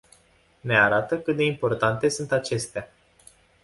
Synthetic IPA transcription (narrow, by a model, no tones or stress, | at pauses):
ne̞aɾat̪əkɨt̪̚d̪e̞impo̞rt̪ant̪e̞sunt̪at͡ʃe̞st̪ea